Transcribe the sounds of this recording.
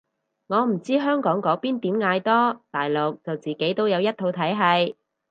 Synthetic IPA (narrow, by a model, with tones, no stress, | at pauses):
ŋɔː˨˧m̩˨˩t͡siː˥ɦœː˥ŋkɔː˨˥ŋkɔː˨˥piː˥nt̪iː˨˥mŋaː˨˧jt̪ɔː˥t̪aː˨˩jlo˨k̚t͡sɐ˨wt͡siː˨˩ke˨˥jt̪o˥wjɐ˨˧wjɐ˥t̚t̪ʰo˨˧wt̪ʰɐ˨˥jɦɐ˨˧j